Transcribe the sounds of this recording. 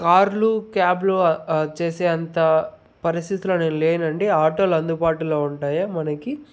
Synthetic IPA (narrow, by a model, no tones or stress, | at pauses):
kaːɾlukaːblut͡ʃeːseːɐnt̪ɐ | pɐɾist̪it̪ulɐneːnleːnɐɳɖiaːʈoːlɐnd̪upaːʈuloːuɳʈaːjaːmɐnɐki